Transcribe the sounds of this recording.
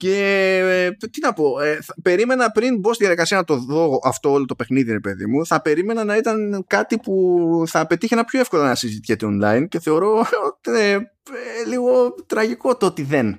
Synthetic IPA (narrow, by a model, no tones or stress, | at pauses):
ce̞ | t̪inɐpo̞eθɐpe̞ɾime̞nɐpɾinbo̞siðʝɐðikɐsiɐnɐt̪o̞ðo̞ɣoʔɐft̪oolo̞t̪o̞pe̞xniðiɾepe̞ðḭmuθɐpe̞ɾime̞nɐnɐit̪ɐnkɐt̪ipuθɐːpe̞t̪içeenɐpçoefko̞lɐnɐsizit̪icet̪eo̞nlɐ̰ince̞θe̞o̞ɾo̞ot̪ine | eliɣo̞t̪ɾɐʝiko̞t̪ot̪iðe̞n